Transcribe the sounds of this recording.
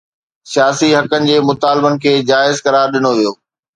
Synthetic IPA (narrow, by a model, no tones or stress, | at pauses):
sijaːsiɦɐkənɪ̆d͡ʑeːmʊt̪aːlbənɪ̆kʰeːd͡ʑaːɪzkɐɾaːɾɗɪnoʋijoː